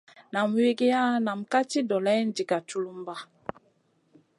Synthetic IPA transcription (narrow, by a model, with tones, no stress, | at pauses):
na˨m˨we˦ɡe˦ja˦na˨m̩˨ka˦ti˦dɔ˨lɛ˦n˦di˨ka˨tu˦lu˦m˦ba˦